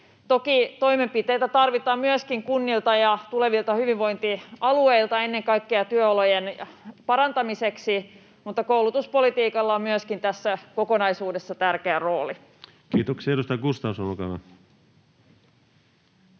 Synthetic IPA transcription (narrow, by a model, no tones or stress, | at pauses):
t̪okit̪o̞jme̞mpit̪e̞jt̪æt̪ɑrʋit̪ɑːmmyøskiŋkunːilt̪ɑjɑt̪ule̞ʋilt̪ɑhyʋiʋʋo̞jnt̪iɑluejlt̪ɑe̞nːe̞ŋkɑjkːeɑt̪yøolo̞jenpɑɾɑnt̪ɑmise̞ksi | mut̪ːɑkoulut̪uspo̞lit̪iːkɑlːɑommyøskint̪æsːæko̞ko̞nɑjsuːde̞sːɑt̪ærkeæro̞ːli | kiːt̪oksieɾust̪ɑjkust̪ɑusolokɑ̰ʋɑ̰